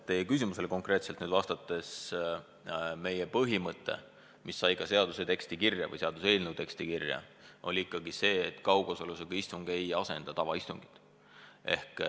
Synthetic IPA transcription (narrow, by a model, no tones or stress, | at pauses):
t̪ːe̞jekys̬imuse̞leko̞ŋkre̞ːt̪selt̪nyːd̪vɑst̪ɑt̪ːˑe̞s | me̞jepɤɦimɤt̪ˑːe̞̰ | misːɑjkɑse̞ɑd̪use̞t̪e̞kst̪ikirjɑ̰vɤ̰jse̞ɑd̪us̬e̞ːlnewt̪e̞ksʲt̪ikirjɑ̰o̞̰lʲiikːˑɑɡise̞ːt̪ːˑkɑwɡosoluseɡ̥ɑist̪uŋɡ̥e̞jɑse̞nd̪̥ɑt̪ɑvɑist̪uŋɡ̥i̥t̪ˑ | e̞̰hk